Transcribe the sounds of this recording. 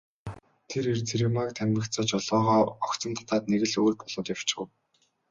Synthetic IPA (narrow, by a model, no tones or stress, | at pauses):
t̪ʰeɾirt͡sʰeɾemakt̪ʰæmʲə̆ktt͡saːt͡ɕɔɮɔːʁɔːɔkt͡sɞ̆mt̪ʰḁt̪aːt̪neɣɘ̆ɮuːɮpɔɮ̥ɞ̆ːt̪jaw̥t͡ɕɪ̆ɢə̆w